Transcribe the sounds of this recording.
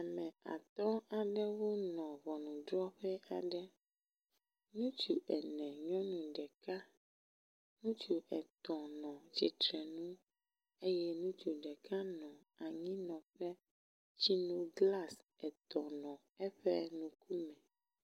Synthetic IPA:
a˨mɛ̃˨a̰˨t̪ɔ˦a˨ɖɛ˦wo˦nɔ̃˨βɔ˨nũ˨ɖɾɔ˦ɸɛ˦ʔa˨ɖɛ˦ | nũ˦t͡ʃu˨ʔɛ˨nɛ̃˨ɲɔ̃˦nũ˨ɖɛ˨ka˦ | nũ˦t͡ʃu˨ʔɛ˨t̪ɔ̃˨nɔ̃˨d͡ʒi˨t̪ɾɛ˨nũ˦ | e˦jɛ˦nũ˦t͡ʃu˨ɖɛ˨kʰa˦nɔ̃˨ | a˨ɲĩ˦nɔ̃˨ɸɛ˦ | t͡ʃi˦nũ˦ɡla˦sɛ˨t̪ɔ̃˨nɔ̃˨ | ɛ˦ɸɛ˦nũ˨kʰu˦mɛ̃˨

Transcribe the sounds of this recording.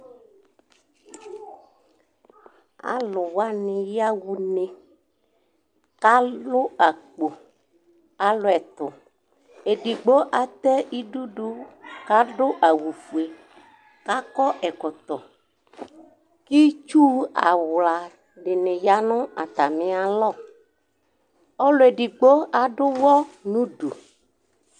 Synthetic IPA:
a̰˨lʊ˨wa˦nɪ̃˨ja˦wu˨nẽ˨ | ka˦lʊ˦a˨k͡po˨ | a˨lʊ˨ɛ˨t̪ʊ˨ | e˨ɖi˨ɡ͡bo˦ʔa˨t̪ɛ˦ʔi˦ɖu˦ɖu˦ka˦ɖʊ˦ʔa˨wu˨fu˨e˨ | ka˦kɔ˦ʔɛ˨kɔ˨t̪ɔ˨ | ki˦t͡ʃu˦a̰˨wla˨ | ɖɪ˨nẽ˨ja˦nʊ̃˦a̰˨t̪a˨mɪ̃˨a˨lɔ˦˨ | ɔ˦lʊ˨e˨ɖi˨ɡ͡bo˦a˨ɖʊ˦wɔ˦nũ˦ɖu˨

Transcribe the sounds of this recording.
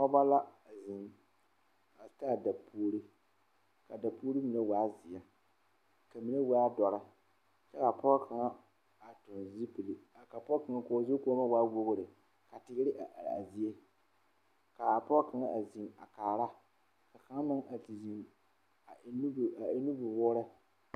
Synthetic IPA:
pɔ˦ba˦la˦a˨zi˨n | a˨˦taː˦˨da˨pʰuː˦ɾi˦ | ka˨da˨puː˦ɾi˦mi˨na˦waː˨˦zɪ˨ja˨ | ka˨mi˨na˦wa˦a˦dɔ˨ɾɪ˦ | t͡ʃɛ˦ka˨pɔ˦kʰa˨ŋa˦ | a˨tʊ˨nzi˦pi˨li˨ka˨pɔ˦ka˨ŋa˦ko˨˦zo˦koː˦ma˦waː˦wo˦ɣʊ˦ɾɪ˨ | ka˨tɪ˨ɣɪ˦ɾɪ˦ʔa˨ʔa̰˨zi˦e˦ | ka˨pɔ˦ka˨ŋa˦ʔa˨zi˨ŋa̰˨kaː˨ɾa˦ | ka˨ka˨˦ŋa˦mɪ˦ŋa˨ti˨zi˨n˨˦ | n˦˨a˨˦nu˦bʊ˨wʊː˦ɾɛ˦

